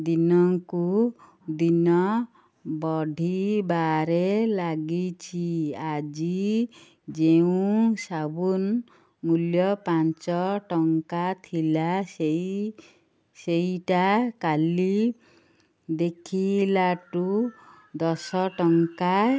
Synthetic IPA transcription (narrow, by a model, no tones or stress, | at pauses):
d̪inɔŋku | d̪inɔ | bɔɖʱibaɾelaɡit͡ʃʰiad͡ʒi | d͡ʒeũsabun | muljɔpant͡ʃɔʈɔŋkat̪ʰilasei | seiʈakali | d̪ekʰilaʈu | d̪ɔsɔʈɔŋka